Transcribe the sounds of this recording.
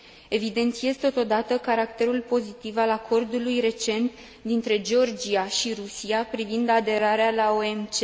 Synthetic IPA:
e̞vid̪e̞nt̪siezt̪o̞t̪o̞d̪at̪əkaɾakt̪e̞ɾulpo̞zit̪ivalakʰo̞rd̪ulujre̞t͡ʃe̞nt̪ | d̪int̪ɾe̞d͡ʒeo̞rd͡ʒiaʃiɾusiapɾivind̪ad̪e̞ɾaɾealaoe̞mt͡ʃe

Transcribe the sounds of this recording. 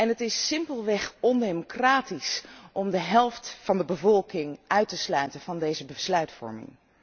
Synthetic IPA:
ɛnɦətɪsːɪmpəlˠʋɛχɔndemokraːtisʔɔmdəɦɛlˠftfɑndəbəvɔlˠkɪŋʔœɥtəslœɥtənvɑndejzəbəslœɥtfɔ̰ɹmɪ̰ŋ

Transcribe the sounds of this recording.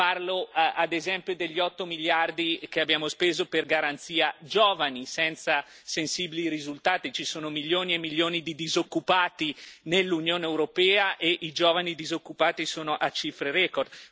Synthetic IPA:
parload̪ezɛmpjod̪eʎːiɔt̪ːomiljard̪ikeabːjaːmospeːzoperɡaɾant̪siːad͡ʒɔːvanisɛnt̪sa | sensibiliɾizult̪aːt̪it͡ʃisoːnomiljoːniemːiljoːnid̪id̪izokːupaːt̪inelːunjoːneewɾopɛːaʔeʔid͡ʒoːvanid̪izokːupaːt̪isoːnoʔat͡ʃifɾeɾɛkord̪

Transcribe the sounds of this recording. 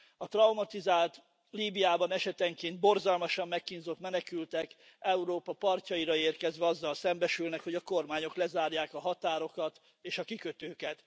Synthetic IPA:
ɒt̪rɒumɒt̪izaːlt̪ | liːbijaːbɒnɛʃɛt̪ɛŋkeːnd̪̚bo̞rzɒlmɒʃɒmːɛkːinzo̞t̪mɛnɛkylt̪ɛk | ɛuɾoːpɒpɒrcɒiɾɒeːrkɛzʋɛɒzːɒlsɛmbɛʃylnɛkhoɟɒko̞rmaːɲo̞klɛzaːrjaːkɒɦɒt̪aːɾo̞kɒt̪ | eːʃɒkikøt̪øːkɛt̪

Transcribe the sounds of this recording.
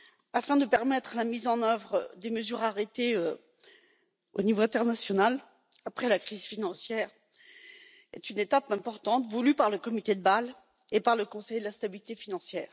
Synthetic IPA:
afɛ̃d̪əpɛʁmɛt̪χlamizɑ̃nœvʁəd̪eməzyʁaʁet̪eø | o̰nivoɛ̃t̪ɛʁnasjɔnal | apχɛlakχizfinɑ̃sjɛːʁ | ɛ̰t̪ynet̪apɛ̃pɔʁt̪ɑ̃t̪vulypaʁləkɔmit̪ed̪əbal | epaʁləkɔ̃sɛjd̪əlast̪abilit̪efinɑ̃sjɛːʁ

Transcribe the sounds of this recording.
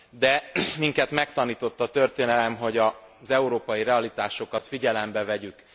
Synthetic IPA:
d̪ɛmiŋkɛt̪mɛkt̪ɒniːt̪o̞t̪ːɒt̪ø̞rt̪eːnɛlɛmɦo̞ɟɒzɛuɾoːpɒjiɾɛɒlit̪aːʃo̞kɒt̪fiɟɛlɛmbɛvɛɟyk

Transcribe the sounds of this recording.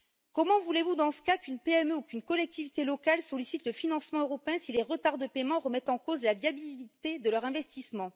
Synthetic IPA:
kɔmɑ̃vulevud̪ɑ̃sə̥kakʲynpeɛmøukʲynkɔlɛk̚t̪ivit̪elɔkalsɔlisit̪ləfinɑ̃smɑ̃øʁɔpeɛ̃sileʁət̪aʁd̪əpemɑ̃ʁəmɛt̪ɑ̃kozlavjabilit̪ed̪əlœʁɛ̃vɛst̪ismɑ̃

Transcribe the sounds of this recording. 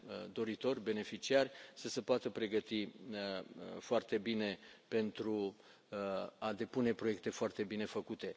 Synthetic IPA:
d̪o̞ɾit̪o̞rʲbe̞ne̞fit͡ʃiarʲsəsəpoat̪əpɾe̞ɡət̪i | foart̪e̞bine̞pe̞nt̪ɾu | ad̪e̞pune̞pɾo̞je̞k̚t̪e̞foart̪e̞bine̞fəkut̪e̞

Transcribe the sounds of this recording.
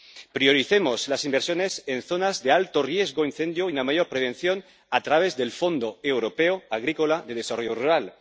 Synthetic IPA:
pɾio̞ɾiθemoslasimbeɾsjo̞nesenθo̞nazðealt̪orje̞zɣoinθe̞nd̪joiunamajo̞ɾpɾe̞β̞e̞nθjo̞n | at̪ɾaβ̞e̞zðe̞lfo̞nd̪oewɾo̞peoaɣ̞ɾikolaðe̞ðesaro̞ʝoruɾal

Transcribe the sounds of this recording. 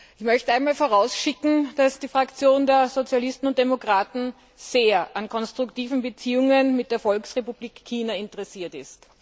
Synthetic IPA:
ʔɪçmœçtəaɪnmaːlfoɐʁaʊsʃɪkŋ̩d̥asd̥iːfʁ̥akt͡sjoːndeːɐzot͡sjalɪstn̩ʊnt̚d̥emokʁ̥aːtn̩ | z̥eːɐʔankʰɔnstʁ̥ʊktiːvn̩bət͡siːʊŋənmɪt̚d̥eːɐfɔlksʁepub̥liːkːʰiːnaɪntəʁɛsiːɐtɪst

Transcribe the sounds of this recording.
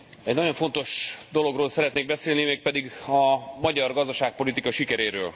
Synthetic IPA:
ɛɟnɒɟo̞ɱfo̞nt̪o̞ʃd̪o̞lo̞ɡroːlsɛɾɛt̪neːɡ̚bɛseːlnimeːk̚pɛd̪iɡɒmɒɟɒrɡɒzd̪ɒʃaːk̚po̞lit̪ikɒʃikɛɾeːɾøːl

